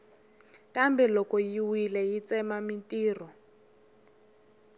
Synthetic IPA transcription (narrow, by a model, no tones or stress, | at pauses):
kambɛlɔkɔjiwilɛjit͡sɛmamintʼiːrɔ